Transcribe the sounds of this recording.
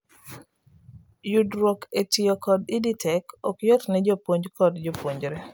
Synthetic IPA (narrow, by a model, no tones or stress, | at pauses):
judɾwɔketiokɔdiditʰɛkɔkjɔtnɛd͡ʒɔpwoɲd͡ʒkʰɔdd͡ʒɔpwoɲd͡ʒɾɛ